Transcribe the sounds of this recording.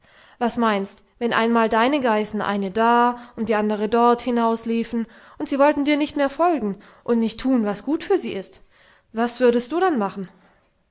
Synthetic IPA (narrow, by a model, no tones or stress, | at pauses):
vasmaɪnst | vɛnʔa̰ɪnmaːldaɪnəɡaɪsn̩ʔa̰ɪnədaːʊnt̚d̥iːʔandəʁ̞ədɔɐthɪnaʊsliːfn̩ | ʔʊntz̥iːvɔltn̩diːɐnɪçtmeːɐfɔlɡŋ̩ | ʔʊntnɪçtʰuːnvasɡ̥uːtfyːɐziːɪst | v̥asv̥ʏɐɾəst̚d̥uːɾanmaχn̩